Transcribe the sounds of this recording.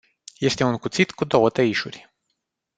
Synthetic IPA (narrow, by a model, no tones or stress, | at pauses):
je̞st̪e̞unkut̪sit̪kud̪o̞wət̪əiʃurʲ